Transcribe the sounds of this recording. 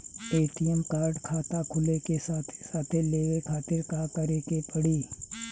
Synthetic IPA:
eːʈ̪ɪjəmkaːɾɖkʰaːt̪akʰʊlekesaːt̪ʰe̥saːt̪ʰeleːʋekʰaːt̪ɪɾkakɐɾekepɐɽiː

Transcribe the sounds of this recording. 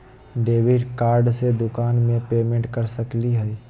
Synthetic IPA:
ɖeːʋɪɖkaːɾɖsed̪ʊkaːnmẽpeːmẽɳʈkɐɾsəkliɦɛi

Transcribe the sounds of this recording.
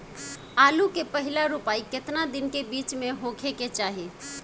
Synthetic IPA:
alukepəɦilaɾupaiket̪nad̪inkebit͡ʃmeɦokʰeket͡ʃaɦi

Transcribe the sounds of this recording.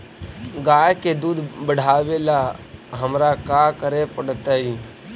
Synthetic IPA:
ɡaːjked̪uːd̪ʱbəɽ̤ʱaːʋelaɦəmɾakakəɾepəɽ̤t̪aːɦiː

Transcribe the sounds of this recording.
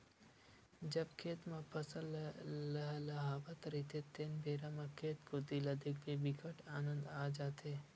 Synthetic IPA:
d͡ʒɐbkʰeːt̪mãpʰəsəllɐɦlɐɦaːbat̪ɾit̪ʰet̪enbʱeːɾamãkʰeːt̪kod̪ilɐd̪ɪkbebikʰəʈaːnə̃nd̪aːd͡ʒaːt̪ʰeː

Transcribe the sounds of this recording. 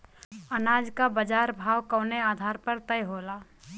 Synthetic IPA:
ənaːd͡ʒkabəd͡ʒaːɾbʱaːwkɔːneaːd̪ʱaːɾpəɾt̪əjɦoːlaː

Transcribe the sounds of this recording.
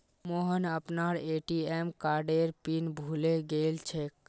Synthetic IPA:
moɦənəpnaɾeʈiemkaɾɖeɾpinbʱuleɡelt͡ʃʰek

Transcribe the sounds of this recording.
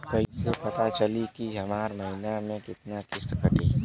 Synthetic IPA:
kɐɦisepɐt̪at͡ʃɐlikiɦɐmaːɾmɐɦinamẽkɪt̪nakɪɾt̪kəʈiɦ

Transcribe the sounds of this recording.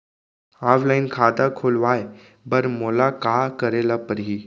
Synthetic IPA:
aʋlajnkʰad̪akʰoːlʋaj | bəɾmolakakəɾelapəɾɦi

